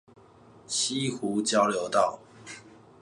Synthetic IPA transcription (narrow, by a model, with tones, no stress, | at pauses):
ɕʰi˦xu˨˦t͡ɕjɑ˦ʊljo˨˦ʊt̪ɑ˥˨ʊ